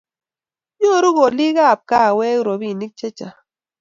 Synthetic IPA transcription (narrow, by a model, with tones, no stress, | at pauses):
ɲo˦˨˦ɾu˦ɣo˨li˦ɣa˦˨p̚ka˦˨we˦ɾo˨βi˦˨ni˦k̚t͡ʃe˦t͡ʃa˨